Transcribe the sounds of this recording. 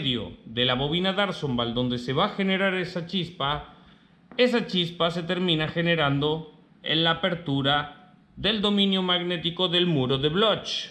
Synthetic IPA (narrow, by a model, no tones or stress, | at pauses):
ðjo̞̰ðe̞laβo̞β̞inaðaɾsombald̪o̞nd̪e̞se̞βaxe̞ne̞ɾaɾe̞sat͡ʃispa | e̞s̬at͡ʃispas̬e̞t̪e̞ɾmĩnaxe̞ne̞ɾand̪o̞ | ḛnlaːpe̞ɾt̪uɾa | ðe̞ld̪o̞mĩnjomaɣne̞t̪iko̞ðe̞lmuɾo̞ðe̞βlot͡ʃ